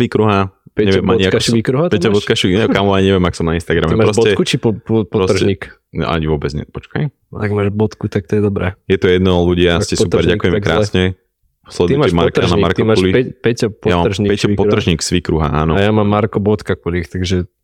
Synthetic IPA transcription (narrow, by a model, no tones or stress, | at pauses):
sʋikɾuɦapɛɲɛʋjɛmaɲiakʋikɾuɦapɛɔbɔt̪kaʃikamɔaɲɛʋɪɛmakɔ̥sɔmnainst̪aɡɾamɛɛmapɾɔsbɔt̪ɛkut͡ʃipɔppɔɾɔt̪ɾɲiːk | ʔa̰ɲiʋʊɔbɛd͡zɲɛ̰pɔt͡ʃkaj | aɡmaːʒbɔt̪kut̪ak̚t̪ɔjɛd̪ɔbɾɛːjɛt̪ɔjɛd̪nɔluɟiascɛsupɛɾɟakujɛmɛkɾa̰ːsɲɛ | slɛd̪t̪imaɛmaɾkanaimaɾk̪iamaulipɛpɛcpɔjamaːr̩ʒɲipɛɛipɔɾr̩ʒɲiːksʋikɾuɦa̰ʔa̰ːnɔajamammːaɾkɔbɔt̪kakulixt̪aɡʒɛ